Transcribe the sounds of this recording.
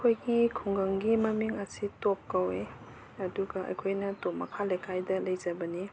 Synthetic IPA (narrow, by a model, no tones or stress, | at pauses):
kʰojɡikʰuŋɡɐŋɡimɐmiŋɐsitop̚kɐwe | ɐduɡɐʔɐ̰jkʰojnɐtopmɐ̰kʰalɐjkʰajdɐlɐjd͡ʒɐbɐni